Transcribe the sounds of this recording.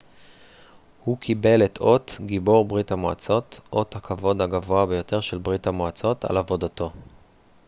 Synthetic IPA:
hukʰibe̞letʰo̞tɡibo̞ʁbʁithamoa̰t͡so̞tʔo̞thakʰavo̞dhaɡavoabejo̞te̞ʁʃelbʁithamoat͡so̞ta̰lavo̞dato̞

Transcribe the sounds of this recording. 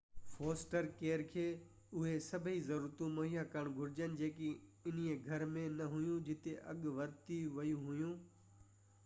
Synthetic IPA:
foːsʈəɾkeːɾkʰeː | ʊɦesɐbʱizɐɾuːɾt̪ũmɐɦijakɐɳ̃ɡʱʊɾɪd͡ʑənɪ̆d͡ʑeːkiɪn̤ijeɡʱɐɾmẽnɐɦʊjũd͡ʑɪt̪eʔɐɠʋɐɾt̪iʋɐjũɦʊjũː

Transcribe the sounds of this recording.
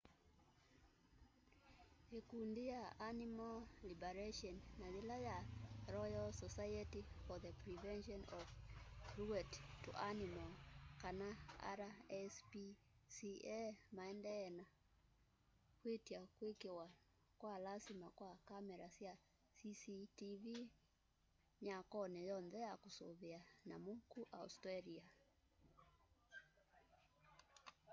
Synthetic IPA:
ekundijaʔanimallibɛɾeʃɔnːaðelajaɾɔjalsɔsajetifɔðəpɾivɛnʃɔnɔvɹuɛttuʔanimalkanaa̰ɾaɛspi | siɛmaɛndɛɛna | kwetiakwekewa | kwalasimakwakamɛɾasja | sisitivi | ɲakɔnɛjɔnðɛjakosoβeanamukuʔa̰ṵstɾalia

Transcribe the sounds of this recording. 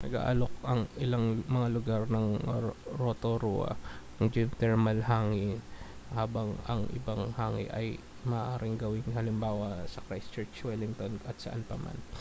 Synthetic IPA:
nɐɡa̰ːʔalok̚ʔɐŋʔɪlaŋmɐŋalʊɡaɾnɐŋɾot̪oɾṵʔɐ̰nɐŋd͡ʒɪnt̪ɛɹmɐlɦaːŋɪhaːbɐŋɐ̰ŋʔɪ̰baŋhaːŋɪ̰ʔɐj | mɐːʔaːɾɪŋɡɐwɪŋhɐlɪmbaːwɐsɐkɾajst͡ʃɛɹt͡ʃwɛlɪŋt̪ond̪ɐt̪̚sɐ̰ʔanpɐma̰n

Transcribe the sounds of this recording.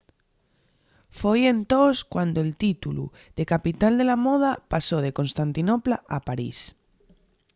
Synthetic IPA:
foje̞nt̪oskwand̪oelt̪it̪ulṵ | ðe̞kapit̪ald̪e̞lamoðapasoð̞e̞ko̞nst̪ant̪inopla̰ʔapaɾḭs

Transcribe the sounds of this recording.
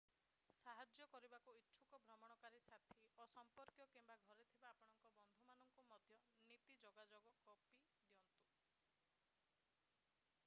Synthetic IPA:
saɦad͡ʒjɔkɔɾibakuitːʃʰukɔbʱɾɔmɔɽ̃ɔkaɾisat̪ʰiɔsɔmpɔɾkjɔkimbaɡʱɔɾet̪ʰibaːpɔɽ̃ɔŋkɔbɔnd̪ʱumanɔŋkumɔd̪ʱjɔnit̪id͡ʒɔɡad͡ʒoɡɔkɔpi | d̪iɔnt̪u

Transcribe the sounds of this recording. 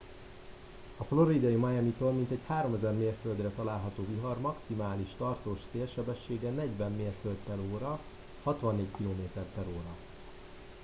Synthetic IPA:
ɒflo̞ɾid̪ɒjimɒjɛmit̪oːlmint̪ɛchaːɾo̞mɛzɛrmeːrføld̪rɛt̪ɒlaːlɦɒt̪oːviɦɒrmɒksimaːliʃt̪ɒrt̪oːʃseːlʃɛbɛʃːeːɡɛnɛɟʋɛmːeːrfølt̪p̪ɛɾoːɾɒ | hɒt̪ʋɒnːeːɟkiloːmeːt̪ɛrt̪ɛɾoːɾɒ

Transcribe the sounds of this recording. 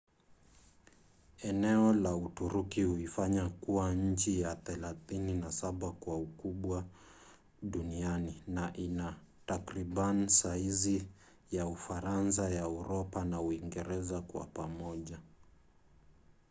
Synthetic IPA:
ɛnɛɔlautuɾukihuifaɲakuwaɲ̩t͡ʃijaθɛlaθininasaɓakwaukuɓwa | ɗunianinaʔina | takɾiɓanisaizi | jaufaɾans̬ajaɛuɾɔpanauiŋɡɛɾɛzakwa̰pamɔʄa

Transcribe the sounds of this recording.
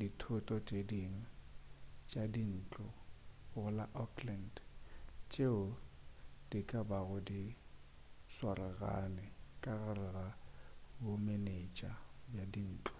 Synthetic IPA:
ditʰʊtʼɔt͡ʃʼediŋ̩ | t͡ʃʼadin̩ːt͡ɬʼɔɣʊlaʔɔkʰland | t͡ʃʼeʊ | d̥ikʼabaɣʊdi | swaɾɛɣa̰nɛkʼaɣarɛɣabʊmenet͡ʃʼabjadin̩ːt͡ɬʼɔ̥

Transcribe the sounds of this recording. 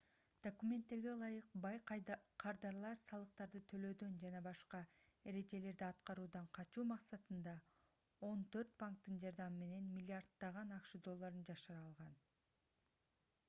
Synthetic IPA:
d̪̥okumʲe̞nt̪ːe̞ɾɡe̞lˠɑjɯq̚bɑjqʰɑɾd̪ɑɾlˠɑɾsɑlˠɯqt̪ɑɾd̪ɯt̪ʰø̞lø̞ːd̪ø̞nd͡ʒɑnɑbɑʃqɑe̞ɾe̞d͡ʒe̞le̞ɾd̪iɑt̪qɑɾuːd̪ɑɴqʰɑt͡ʃuːmɑqsɑt̪ɯnd̪ɑ | o̞nt̪ʰø̞ɾt̪̚paŋk̚t̪ːɯnd͡ʒɑɾd̪ɑmɯme̞ne̞nmʲɪlʲːiaɾd̪ːɑʁɑnɑkʃɯd̪o̞lˠːaɾɯnd͡ʒɑʃɯɾɑːlˠʁɑn

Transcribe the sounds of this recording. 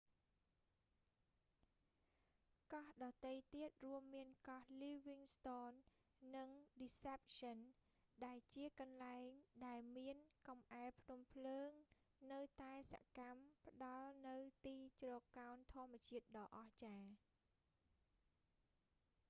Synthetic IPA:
kɑhɗɑːt̪ejt̪iət̪̚ruəmːiənkɑhliːʋiŋst̪oːnː | ɨŋɗisep̚sən | ɗaɛlt͡ɕiəkɑnlaɛŋɗaɛlmiənkɑmʔaɛlpʰnumpʰləːŋ | nɨwt̪aɛsa̰ʔkampə̆ɗɑlnɨwt̪iːt͡ɕrɔːkːaɔnt̪ʰŏəmːɨ̆ət͡ɕiət̪̚ɗɑːʔɑht͡ɕaː

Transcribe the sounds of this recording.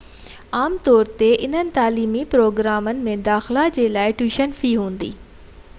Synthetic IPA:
aːmt̪ɔːɾt̪eʔɪn̤ənɪ̆t̪aːliːmipɾoːɡɾaːmənɪ̆mẽd̪aːxɪlad͡ʑeːlaːɪʈuːʃənfiːɦũːn̆d̪ḭː

